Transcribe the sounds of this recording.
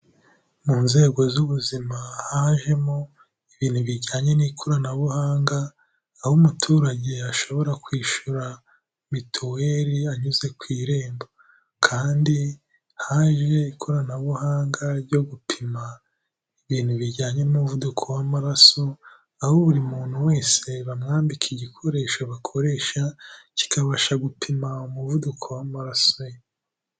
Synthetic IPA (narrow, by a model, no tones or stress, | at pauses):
muːnze̞ːɡo̞zuβuzimahaːʒe̞mo | iβiːn̥huβiɾɟaːɲe̞niːkʰoɾanaβuhaːŋɡaː | humutʰuːɾaɟe̞aʃo̞βo̞ɾakwiːʃuɾa | mitʰowe̞ɾiaɲuze̞kwiːɾe̞ːmba | kʰaːndi | haʒe̞ikʰo̞ɾanaβuhaːŋɡaɾɟo̞ɡupʰima | iβiːn̥huβiɾɟaːɲe̞nimuvudukʰowamaɾaso̞ | ahoβuɾimuːn̥huwe̞ːse̞βamŋaːmbikʰiɟikʰo̞ɾe̞ːʃoβakʰo̞ɾe̞ːʃaci̥kaβaʃaɡupʰimaumuvudukʰo̞wamaɾasoje